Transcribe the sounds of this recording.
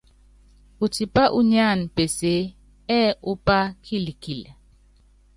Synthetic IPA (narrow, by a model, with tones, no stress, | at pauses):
u˨ti˨pa˦ʔu˦ɲa˦˨n˨pe˨se˦ | ɛ˦u˦pa˦kʰi˦li˨ki˨l